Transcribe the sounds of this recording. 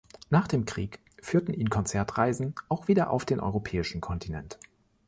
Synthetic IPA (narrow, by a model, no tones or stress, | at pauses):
naːχd̥eːmkʁ̥iːk | fyːɐtn̩ʔiːnkʰɔnt͡sɛɐtʁ̥aɪzn̩ʔaʊxv̥iːdɐʔa̰ʊfd̥eːnʔɔ̰ʏʁopʰɛːɪʃn̩kʰɔntʰinɛ̰nt